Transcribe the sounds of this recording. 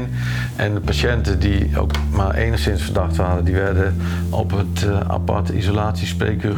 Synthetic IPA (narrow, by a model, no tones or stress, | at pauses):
n | ʔɛndəpaʃɛntədio̰wk | marʔḛːjnəxsɪnsfərdaxtʋaːdədiʋɛrdə | ɔ̰pəta̰pa̰tḭzolaːtsisprḛːkə